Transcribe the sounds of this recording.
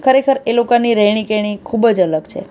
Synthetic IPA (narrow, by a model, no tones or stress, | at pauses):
kʰəɾekʰəɾelokaniɾəɦɽ̃ikeɽ̃ikʰubd͡ʒələɡt͡ʃʰḛ